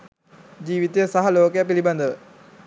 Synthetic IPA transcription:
d͡ʒiːʋit̪ejəsaɦɐloːkejəpiliband̪əʋə

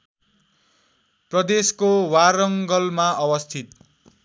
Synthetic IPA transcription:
prʌd̪eskowaɾʌŋɡʌlmaʌwʌst̪ʰit̪

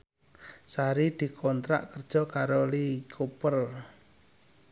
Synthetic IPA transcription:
saɾid̪̥i̤kʰɔnt̪ɾa̰ʔkərd̥ʒ̥ɔ̤kaɾolikʰupər

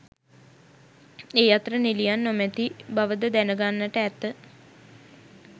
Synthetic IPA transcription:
eːjat̪əɾənilijanːomæt̪ibaʋəd̪əd̪ænəɡanːəʈəæt̪ːə

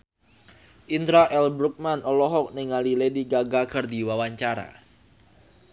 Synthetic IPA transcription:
ʔint̪ɾaʔɛlbɾuk̚manʔɔlɔɦɔk̚nɪŋalilediɡaɡaɡərdiwawaɲt͡ʃaɾa̰

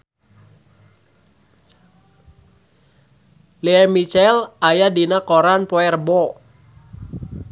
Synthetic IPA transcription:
liɛmit͡ʃɛlajadinakɔɾanpɔɛrbɔ

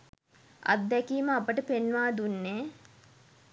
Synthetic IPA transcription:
a̰t̪d̪ækiːməapəʈəpenʋaːd̪unːeː

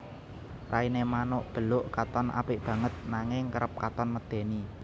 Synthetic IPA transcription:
rʔainemanʊʔb̥ə̤lʊʔkat̪ɔnʔa̰pɪʔb̥ä̤ŋət̪̚naŋɪŋkəɾəp̚kat̪ɔnməd̪̥e̤ni

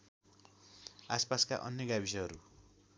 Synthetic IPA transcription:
aspaskaʔʌ̰njʌɡabis̬ʌɦʌɾu

